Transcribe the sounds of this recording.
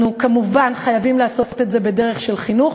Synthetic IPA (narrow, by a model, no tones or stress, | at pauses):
ukamuvanχajavimleaso̞ftetze̞bedeʁeχʃe̞lχinuχ